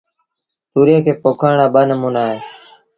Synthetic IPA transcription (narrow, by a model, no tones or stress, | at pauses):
t̪uːɾeːkʰeːpoːkʰaːɳaːɓəːnəmuːnaːɦeː